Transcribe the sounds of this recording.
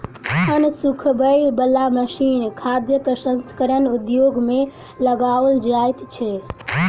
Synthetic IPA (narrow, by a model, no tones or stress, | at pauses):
ənsukʰbəjbəlːaməʃinkʰad̪jəpɾəsənsə̥kəɾənud̪joɡme | ləɡald͡ʒajt̪t͡ʃʰɛ